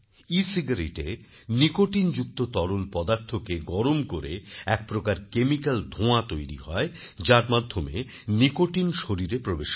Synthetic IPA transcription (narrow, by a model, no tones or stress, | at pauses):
isiɡaɾiʈe | nikoʈind͡ʑuk̚t̪ot̪ɔɾonpɔd̪aɾt̪ʰokeɡɔɾomkoɾeɛk̚pɾokaɾkemikald̪ʱõat̪ojɾḭɦɔed͡ʑaɾmad̪ʱːome | nikoʈinʃoɾiɾepɾobeʃ